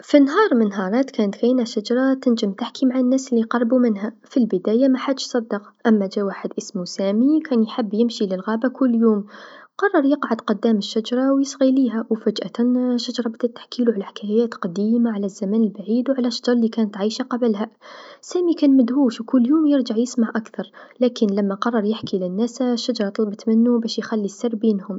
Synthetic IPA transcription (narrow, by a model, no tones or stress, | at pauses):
finɦɑːɾˤmɪnɦɑɾˤɑːt̪kæːnt̪xajːnæʃad͡ʒɑɾˤɑt̪ɪnd͡ʒɪmt̪aħkimaʕanːæːslːiqɑrˤːbumɪnɦæfilbəd̪æːjamaħad̪əʃsˤɑd̪ːɑqʔamːad͡ʒæːwaːħəd̪ʔəsmusæːmikʰæːnjħɪbːjɪmʃilɪlɣaːbakʊlːjuːmqɑrˤːɑɾˤjəqʕad̪qʊd̪ːæːməʃːad͡ʒɑɾˤɑwjɪsˤɣiliːɦæwfad͡ʒʔa̰t̪ʃːad͡ʒɑɾˤɑbɪd̪æt̪ːḁħkiːluʕalaħɪ̥kʰæjæːt̪qɑd̪iːmaʕalæzːæmæːnəlbaʕiːd̪wʕalæʃːad͡ʒɾˤɑlikæːnət̪ʕijʃaqɑblhæsæːmikæːnmæd̪ʕuːʃwkʊlːjuːmjəɾd͡ʒaʕjəsmaʕʔakθɑɾˤlækənlæmːæqɑrˤːɑɾˤjɪħkilɪnːæsʃːad͡ʒɾˤɑt̪ˤɑlbət̪mɪnːubæʃjxælːisːɑrˤːbiːnhʊm